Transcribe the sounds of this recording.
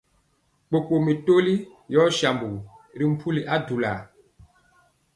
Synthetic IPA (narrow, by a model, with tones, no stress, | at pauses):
k͡po˨k͡po˨mi˨to˦li˦ | jɔ˦ʃa˨mbu˨ɾi˦m̩˦pʰu˦li˨ʔa˦du˨la̰˨